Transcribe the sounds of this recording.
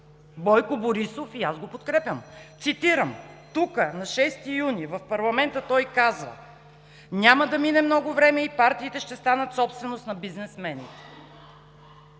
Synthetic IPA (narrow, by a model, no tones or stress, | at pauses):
bɔjkoboɾisofiazɡopot̪kɾɛpʲjəmt̪sit̪iɾəmt̪ukənɐʃɛst̪ijunivɐfpɐɾlˠɐmɛnt̪ət̪ɔjkazvə̰ | nʲaməd̪ɐminɛmnɔɡʊvɾɛmɛipaɾt̪iːt̪ɛʃt̪ɛst̪anət̪sɔpst̪vɛnost̪nɐbiznɛsmɛnit̪ɛ̥